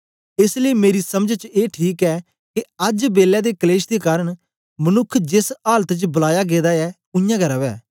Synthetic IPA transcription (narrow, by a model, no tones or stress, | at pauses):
ɪsleimeːɾisɐmd͡ʒt͡ʃeːʈʰiːkɛː | keɐd͡ʒbeːlɛd̪eːkəleːʃd̪ekaːɾəɽ | mənʊkʰd͡ʒesaːlət̪t͡ʃbʊlaːjaɡeːd̪aɛː | ʊjãːɡʱɐɾaːbɛː